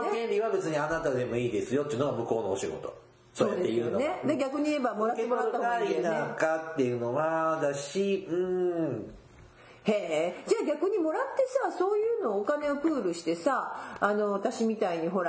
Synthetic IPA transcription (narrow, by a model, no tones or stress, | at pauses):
ɡẽ̞nɾʲiβabe̞t͡sɨɲ̟ianat̪ad̪e̞mo̞iːd̪e̞sɨjo̞t̪eiɯ̟noɡamɯ̟ko̞ːnoːɕiɡo̞̰t̪o̞̥̰ | soojad̪t̪ːejɯːnone̞d̪aɡʲakɯ̟ɲ̟iebamo̞ɾat̪emoɾaːahoeaekat̪ːe̞jɯ̟ːno̞βad̪aɕiɯ̟̃ː | he̞ːd͡ʑaːɡʲakɯ̟ɲ̟imo̞ɾat̪ːe̞saso̞ːjɯ̟ːno̞ːkane̞opɯ̟ːɾɯ̟ɕi̥t̪e̞saːno̞βat̪aɕimʲit̪aiɲ̟iɦo̞ɾa